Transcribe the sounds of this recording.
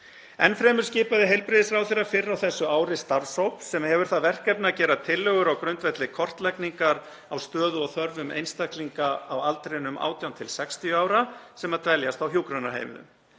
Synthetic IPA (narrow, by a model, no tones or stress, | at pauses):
ɛnfɾɛːmʏɾscɪːpaðɪɦejlpɾɪðɪsfɾawθeɾːafɪɾːawθɛsːʏaːwɾɪst̪aɾsowpsɛmhɛvʏɾ̥θaðvɛr̥kɛpnaːcɛːɾat̪ʰɪlːœɣʏɾawkɾœɥnt̪vɛt̪lɪkʰɔr̥t̪lɛjkniŋkaɾ | awst̪œːðʏɔɣθœɾvʏmʔḛjnst̪akliŋkaawalt̪ɾenʏma̰ːwt̪jawnt̪ʰɪlsɛkst̪ijʏaːwɾasɛmaðt̪ʰvɛljast̪awɦjuːkɾœnaɦḛːjmʏ̰ðʏ̰m